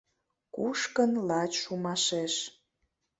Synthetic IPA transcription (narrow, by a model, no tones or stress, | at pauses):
kuʃkənlɑt͡ɕʃumɑʃeʃ